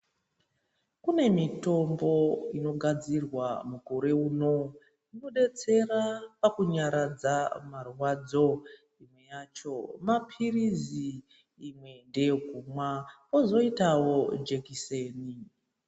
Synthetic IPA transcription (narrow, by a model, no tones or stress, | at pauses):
kune̞mito̞mbo̞ino̞ɡʱad͡zirwamukoɾe̞uːno̞ | ino̞ɗe̞t͡se̞rapakuɲaɾad͡zamarwad͡zo̞ | imwe̞jat͡ʃo̞mapʰiriziː | mwe̞nde̞jeɡʱumwa | ozo̞itawo̞d͡ʒekiseːni